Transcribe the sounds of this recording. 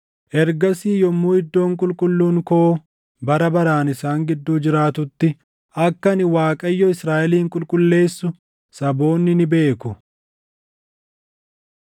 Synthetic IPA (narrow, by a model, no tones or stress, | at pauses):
ʔɛɾɡɐsiːjɔmːuːɪd̪ːo̞ːŋkʼʊlkʼʊlːuːŋkoː | bɐɾɐbɐɾaːnɪsaːŋɡɪd̪ːuːd͡ʒɪɾaːt̪ʊt̪ːɪ | ʔɐkːɐnɪwaːkʼɐjːɔɪsɾaːʔɛliːŋkʼʊlkʼʊlːe̞ːsːʊ | sɐbo̞ːnːɪnɪbe̞ːkʊ